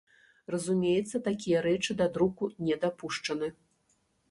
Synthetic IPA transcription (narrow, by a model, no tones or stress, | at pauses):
rɐzumʲejɛt̪sːɐt̪akʲijɐɾɛt͡ʂɨd̪ad̪ɾukunʲɛd̪apuʂt͡ʂɐnɨ